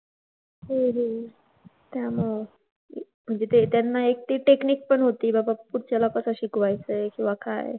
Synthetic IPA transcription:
ɦeɦe | t̪jamɔ | m̤əɳd͡zet̪et̪janːaek̚ʈ̪iːʈekniːk̚pəɳɦot̪iːbabapuɽt͡ɕalakəsəɕikʋajt͡səkĩw̃ʋaka̰j

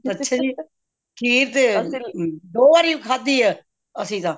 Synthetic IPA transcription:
ətːʃʰaːd͡ʒiː | kʰiːɾt̪eː | d̪oːʋaːɾiːkʰaːd̪iːɛː | əsĩːt̪ãː

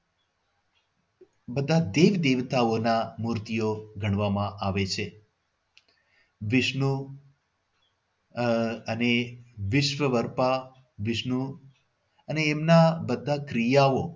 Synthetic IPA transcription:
bəd̪ʱad̪eʋd̪eʋt̪aonamuɾt̪ijoɡʱəɳ̃ʋamãʔaʋet͡ʃʰe | ʋɪʃnu | əneʋɪʃʋəʋəɾpa | ʋɪʃnu | əneːmnabəd̪ʱːakɾijao

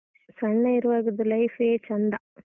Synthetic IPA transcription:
sɐɳːɐiɾuʋaːɡɐd̪ːulɐjfeːt͡ʃɐnd̪ɐ

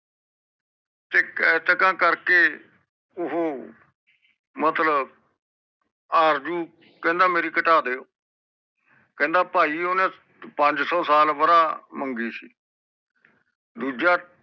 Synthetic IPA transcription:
t̪eːkɛːt̪əkãːkəɾkeː | ʊɦoː | mət̪lə | aːɾd͡ʒuː | kɛ̃ːnd̪aːmeːɾiːkəʈaːd̪eːoː | kɛ̃ːnd̪aːpaːiːoːnẽː | pəɲd͡ʒsɔːsaːlʋəɾaːməŋɡiːsḭː | d̪uːd͡ʒaː

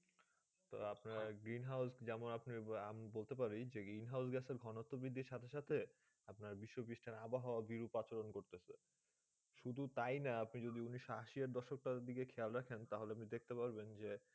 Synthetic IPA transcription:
t̪o̰apnaɡɾinɦawsd͡ʑɛmonapniamibolt̪ep̬aɾid͡ʑeɡɾinɦaws̬ɡɛseɾɡʱɔnot̪ːobid̪ʱːiɾʃat̪ʰeʃat̪ʰe | apnaɾbiʃːopiʃʈʰanabaɦɔoabiɾupat͡ɕoɾonkoɾt̪ese | ʃud̪ʱut̪ajnaapnid͡ʑod̪iuniʃaaaʃiaɾd̪ɔʃok̚ʈad̪ikekʰɛalɾakʰent̪aɦoleapnid̪ek̚ʰt̪epaɾbend͡ʑe

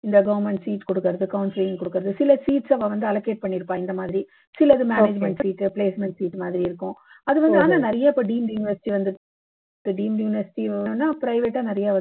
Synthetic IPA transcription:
ɪnd̪ɐɡɐʋɐɾmɛɳʈsiːʈkɔɽɯkːɯɾɐðɯkɐʊnsɪlɪŋkɔɽɯkːɯɾɐðɯsɪlɐsiːʈsɐʋɐ̃ːʋɐnd̪ɯɐlɐkːeːʈ̚pɐɳːɪɾɯpːãːɪnd̪ɐmaːðɪɾi | sɪlɐɪðɯmeːneːd͡ʒmɛɳʈsiːʈːɯpleːsmɛɳʈsiːʈːmaːðɪɾiɪɾɯkːʊ̃ | ɐðɯʋɐnd̪ɯaːnanɐɾɐjaːɪpːoːɖiːmjʊːnɪʋɐɾsɪʈiʋɐnd̪ɯ | ʈːɯɖiːmjuːnɪʋɐɾsɪ̥ʈinːaːpɾɐɪʋeːʈːaːnɛɾɐjaːʋɐ

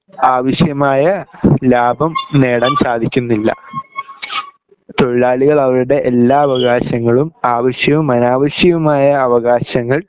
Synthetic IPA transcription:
aːʋɐɕjɐmaːjɐlaːbʱɐmne̞ːɽɐmsaːd̪ʱikʲːunːilːɐ̰ | t̪o̞ɻɭaːɭiɣɐɭɐʋɐɾuɽe̞ʔelːaːɐʋɐɣaːɕɐŋːɐɭumaːʋɐɕjɐʋumːɐnaːʋɐɕjɐʋumaːjɐːʋɐɣaːɕɐŋːɐɭ

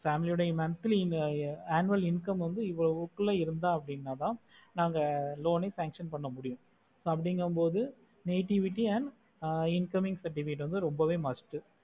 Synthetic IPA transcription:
faːmɪlɪjɾɽɐɪmaːɾɐt̪ːɪlɪaːnːɯʋɐlɪnkɐmʋɐnd̪ɯɪʋːɐɭɐʋɯkːɯlːɐɪɾɯnd̪ãːɐpːɐɽɪnːaːt̪ãː | naːŋɡɐloːnɐɪsaːŋkʂɐnpɐɳːɐmʊɽɪjʊ̃ | soːɐp̬ːɐɽɪŋɡɐɯmpoːðɯ | neːʈɪʋɪʈːiɐn | ɪnkɐmɪŋɡsɐʈ̬ːɪfɪkɪʈːʋɐnd̪ɯɾɔmbɐʋeːmɐsʈɯ

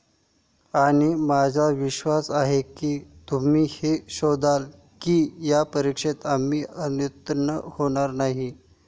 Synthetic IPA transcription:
aɽ̃imad͡zʱaʋiɕʋasaɦekiːt̪um̤iːheɕod̪ʱal | kiːjapəɾikʂet̪amːiːənjut̪nəhoɽ̃aɾnaɦi

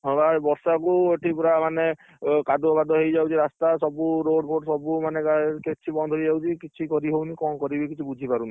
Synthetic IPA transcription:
ɦɔ̃babɔɾsakueʈʰipɾamane | kad̪obad̪ɔɦejd͡ʒawt͡ʃʰiɾast̪asɔbuɾoɖpʰoʈsɔbumaneaket͡ʃʰibɔnd̪ʱɔɾid͡ʒawt͡ʃʰikit͡ʃʰikɔɾiɦewnikɔkɔɾibekit͡ʃʰibud͡ʒʱipaɾuni

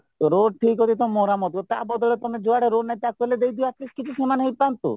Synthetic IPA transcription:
t̪oɾoɖʈʰikod̪it̪omːoɾamɔt̪ot̪abɔd̪ɔɭet̪omed͡ʒoaɽeɾoɖnajt̪akeled̪ejd̪iat̪̚kiskit͡ʃʰukemanɦejpɾant̪o̰

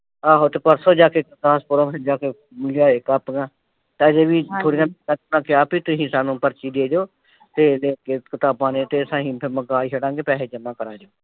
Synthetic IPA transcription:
aːɦoːt̪eːpəɾsoːd͡ʒaːkeːkət̪aːspʊɾaːpʰɪd͡ʒaːkeː | mɪlijaːekapɡãː | t̪ãːd͡ʒeːbiːt̪ʰoːɽijãːkãt̪nãːkɪjaːpiːt̪ʊsĩːsaːnũːpəɾt͡ʃiːd̪eːd͡ʒoː | t̪eːleːkeːkɪt̪aːbãːnẽːt̪eːsãːɦĩːpʰɪməɡaːiːɦəɽãːŋɡeːpɛːleːd͡ʒəmãːkəɾaːd͡ʒoː

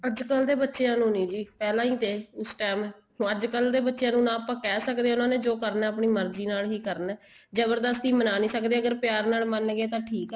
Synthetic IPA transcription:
əd͡ʒkəld̪eːbətːʃejãːnũːnĩːd͡ʒiːpɛːlãːiːt̪eːʊsʈɛːmɛ̃ː | əd͡ʒkəld̪eːbətːʃejãːnũːnãːəpãːkɛːsəkd̪eːʊnãːnẽːd͡ʒoːkəɾnɛːəp̬ɳiːməɾd͡ʒiːnaːlɦiːkəɾnɛː | d͡ʒəbəɾd̪əst̪iːmənaːnĩːsəkd̪eːəɡəɾpɪjaːɾnaːlmənɡeːt̪ãːʈʰiːkɛ

